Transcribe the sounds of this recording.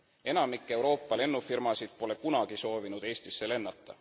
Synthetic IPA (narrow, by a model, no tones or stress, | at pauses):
e̞nɑmikːˑe̞wɾo̞ːpˑːɑle̞nːufirmɑsid̪̥̚po̞le̞kunɑɡ̥iso̞ːvinud̪̥e̞ːsʲt̪isːele̞nːɑt̪ːɑ̰